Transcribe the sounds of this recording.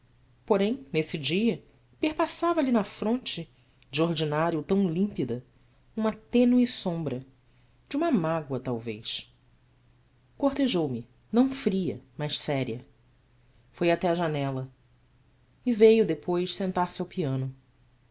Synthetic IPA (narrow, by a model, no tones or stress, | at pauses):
poɾẽj̃nesɪd͡ʒiɐ | pehpasavɐlinɐfɾõnt͡ʃɪ | d͡ʒoɾd͡ʒinaɾjʊt̪ɐ̃w̃lĩmpid̪ɐ | ũmɐt̪ẽnuɪsõmbɾɐ | d͡ʒũmɐmaɡwɐt̪awvḛjʃ | koht̪eʒowmɪ | nɐ̃w̃fɾiɐ̰maʃsɛɾiɐ | fojat̪ɛɐʒanɛlɐ | ɪvejʊd̪epojssẽnt̪aɾsɪawpiɐ̃nʊ